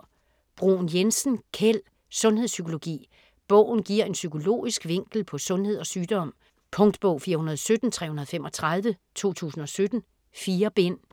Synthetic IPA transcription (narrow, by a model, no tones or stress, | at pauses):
b̥ʁunjensn̩kʰel̰ | sɔ̽nhesykʰo̝lo̝ɡ̥ḭː | b̥ɔ̽ʊ̰n̩ɡ̥iɐ̰e̝nsykʰo̝lo̝̰ːisɡ̥ʋe̝ŋ̰ɡ̥l̩pʰɒ̽sɔ̽nhe̝ð̞ˠɒ̽syːd̥ɒ̽m̰ | pʰɔ̽ŋd̥b̥ɔ̽ʊfiːɐhunɐðˠsød̥n̩t͡sʰʁɛ̰ːhunɐð̩ˠfem̰ɒ̽t͡sʰʁað̞ˠʋət͡sʰo̝̰ːt͡sʰṵːsn̩ɒ̽sød̥n̩ | fiːɐb̥en̰